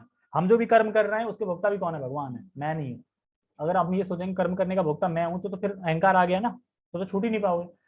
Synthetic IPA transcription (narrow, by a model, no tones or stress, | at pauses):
hɐmd͡ʒoːbʱikɐɾmkɐɾːɐɦɛ̃ʊskebʱʊɡ̚t̪abʱikɔːnɦɛbʱɐɡʋaːnɦɛːmɛ̃ːnɐɦĩɦɛ̃ | ɐɡəɾabjesoːt͡ʃẽːekɐɾmkɐɾnekabʱʊɡ̚t̪amɛ̃ɦũt̪t̪opʰɪɾɐɦɛ̃ŋkaːɾaːɡɐjanaː | t̪ot̪ot͡ʃʰuːʈ̬inə̃ĩpaːoɡeː